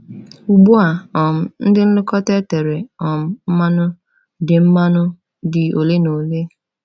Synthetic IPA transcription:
u˨ɡ͡bu˦a˨ɔ˨m̩˨n̩˦dɪ˦n̩˦lʊ˦kɔ˦te˦te˨ɾe˨ɔ˨m̩˦m̩˦ma˦nʊ˦ | dɪ˨m̩˦ma˦nʊ˦ | dɪ˨o˨le˦no˨le˦

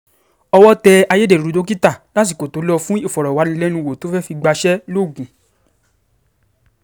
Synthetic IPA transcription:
ɔ˧wɔ˦tɛ˧a˧je˦de˦˨ɾu˨˦do˦ki˦ta˦˨la˦t̬i˦˨ko˨to˨˦lɔ˧fũ˦i˦˨fɔ˨ɾɔ˨wa˨˦nĩ˧lɛ˦nũ˧wo˨to˨˦fɛ˦fi˧ɡ͡ba˧ʃɛ˦lo˦˨ɡũ˨

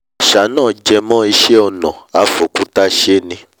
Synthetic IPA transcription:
ʃa˨˦nãː˦˨d͡ʒɛ˧mɔ̃˦i˧ʃe˦ɔ˧nɔ̰̃˨a˨fo˨ku˦ta˧˦ʃe˦nĩ˧

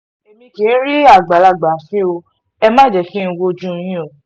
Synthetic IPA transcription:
e˨mĩ˧ɡe˨˦ɾi˦a˦˨ɡ͡ba˨la˧˨ɡ͡ba˨fĩ˦o˧ | ɛ˧mãː˦˨d͡ʒɛ˨kĩ˦˧wo˧˦d͡ʒũ˦˧j̃ĩ˦o˨

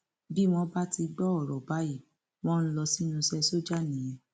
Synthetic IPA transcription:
bi˦w̃ɔ̃˦ba˦ti˧ɡ͡bɔ˦ɔ˨ɾɔ˨ba˨˦i˦˨ | w̃ɔ̃˦n̩˦lɔ˧si˦nũ˧sɛ˦so˦d͡ʒa˦˨nĩ˨ĩ˨˧

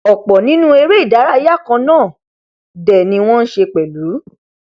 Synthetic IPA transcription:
ɔ˨k͡pɔ˨nĩ˨˦nũ˦e˧ɾe˦i˦˨da˨˦ɾa˦i˦ja˦˨kã˧nãː˦˨ | dɛ˨nĩ˧w̃ɔ̃˦n̩˦ʃe˧k͡pɛ˨lu˨˦

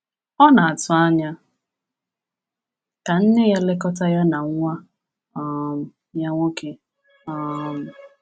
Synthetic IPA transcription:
ɔ˦na˨a˨tʊ˨a˦ɲa˦ | ka˨n̩˦nɪ˦ɣa˦le˦kɔ˦ta˦ja˦na˨ŋʷa˦ | ɔ˨m̩˨ | ja˦ŋʷo˦ke˦ | ɔ˨m̩˨

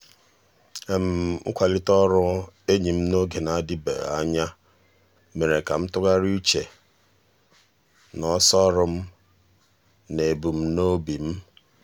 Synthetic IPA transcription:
e˨m̩˨˦kʷa˨lɪ˦tɔ˦ɾʊ˦e˦ɲi˨m̩˦no˦ɡe˨na˨˦dɪ˦bḛ˨a̰˦ɲa˦ | me˨ɾe˨ka˨m̩˦tʊ˦ɡa˦ɾi˦t͡ʃe˨ | nɔ˦sɔ˦ɾʊ˦m̩˦ | ne˨bu˨m̩˦no˦bi˨m̩˦

